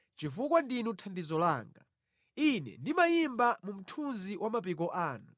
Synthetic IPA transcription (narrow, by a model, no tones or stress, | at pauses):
t͡ʃifukwandinutʰandizɔlaːŋɡa̰ | inɛ̰ndimajimbamum̩tʰunziwʔamap̬ik̬ɔʔaːnu